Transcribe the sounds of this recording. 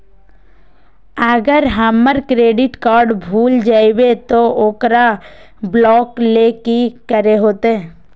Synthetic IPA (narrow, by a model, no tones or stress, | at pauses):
əɡəɾɦəmːəɾkɾeːɖɪʈkaːɾɖbʱuːld͡ʒaːibet̪ooːkɾa | blɔːkleːkikəɾeɦoːt̪eɛ